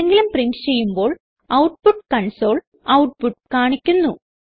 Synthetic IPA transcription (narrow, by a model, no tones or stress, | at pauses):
eŋɡilumpriɳʈt͡ɕe̞jːumbo̞ːɭ | ɐwʈ̚puʈːkɐɳso̞ːɭ | ɐwʈ̚puʈːkaːɳikʲːunːu